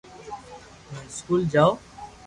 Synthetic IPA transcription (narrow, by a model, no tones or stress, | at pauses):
mə̃skuːld͡ʒaːo